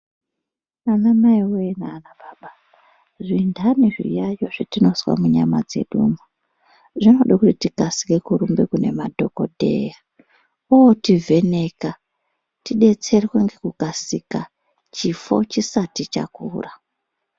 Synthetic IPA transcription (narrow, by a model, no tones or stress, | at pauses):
manamaiweenaːnabaːɓa | ʐindʱaniʐḭjajo̞ʐitino̞swa̰muɲama̰d͡ze̞̰ɗuːma | ʐino̞ɗakutitikasi̥ke̞kuɾumbekune̞madʱo̞ko̞̰dʱe̞̰ja | uwotivʱe̞ne̞ka | tiɗe̞t͡se̞rweŋɡekukasika | t͡ʃifo̞̰t͡ʃisatit͡ʃa̰kṵːra